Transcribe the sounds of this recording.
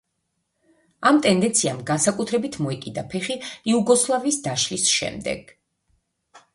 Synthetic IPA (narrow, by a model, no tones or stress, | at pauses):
amt̪ʼɛnd̪ɛnt̪sʰiamɡansakʼut̪ʰɾɛbit̪ʰmɔɛkʼid̪apʰɛχiːuɡɔslˠavisd̪aʃlisʃɛ̰md̪ɛ̰ɡ̥